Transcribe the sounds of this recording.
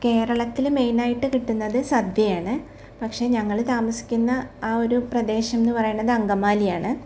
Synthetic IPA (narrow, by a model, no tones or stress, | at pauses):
ke̞ːrɐɭɐt̪ːilme̞jnaːjiʈːɨkiʈːunːɐðɨsɐd̪jɐjaːɳɨ | pɐkʂe̞ːɲɐŋːɐɭt̪aːmɐsi̥kʲːunːɐaːo̞ɾuprɐd̪e̞ːɕɐmenːɨpɐrɐjunːɐðɨɐŋɡɐmaːlijaːɳɨ